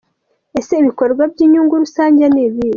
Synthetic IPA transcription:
e̞seiβiko̞ɾɾɡwab̚jɟiːɲuːŋɡuɾusaːɲɟeniβiɾi

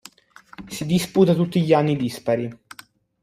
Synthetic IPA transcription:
sid̪isput̪at̪ut̪ːiʎianːid̪ispaɾi

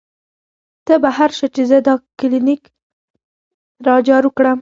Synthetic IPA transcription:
t̪əbaɦaɾʃət͡ʃezəd̪ɑkɪlinik | ɾɑd͡ʒɑɾəkɽəm

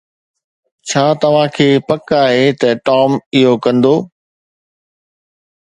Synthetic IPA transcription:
t͡ɕʰaːt̪ɐʋ̤ãkʰeːpɐkaːɦeːt̪ɐʈɔːmɪɦokɐ̃nd̪oː

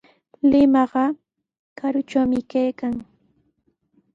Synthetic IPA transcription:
lɪmɑɢɑ | kaɾʊt͡ʃawmɪkajkaŋ

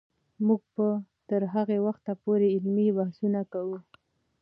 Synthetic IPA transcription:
muɡ̚pət̪əɾɦaɣewaxt̪apoɾeɪlmibahsunakawu

